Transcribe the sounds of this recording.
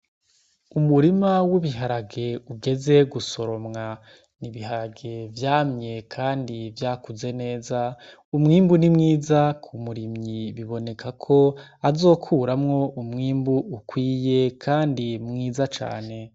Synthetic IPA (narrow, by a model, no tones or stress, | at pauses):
umuɾimawuβiɦaɾaɡe̞uɡe̞ze̞ɡuso̞ɾo̞mŋa | niβihaɾaɡe̞vjaːmɲe̞kʰaːndivjaːkuze̞ne̞ːza | umŋiːmbunimŋiːzakʰumuɾimɲiβiβo̞ne̞kʰakʰo̞azo̞ːkʰuːɾamŋo̞ʔumŋiːmbuːkwiːje̞kʰaːndimŋiːzat͡ʃa̰ːne̞